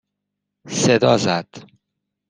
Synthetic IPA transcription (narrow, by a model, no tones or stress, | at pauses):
sed̪ɒːzæd̪̥